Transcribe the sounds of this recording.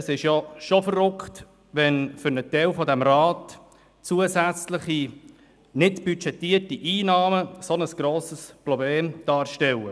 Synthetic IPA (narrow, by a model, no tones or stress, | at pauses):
sɪʃjɔʃofərːʊkt | ʋɛnfʏɾnətɛwfɔd̪æmrɑːt | t͡suəsæt͡sləχi | nɪtb̥yt͡ʃɛtiːrtiʔiːnɑːməsonəsɡ̥ɾoːsəsprɔbleːmd̪̥ɑːɾʃtɛlə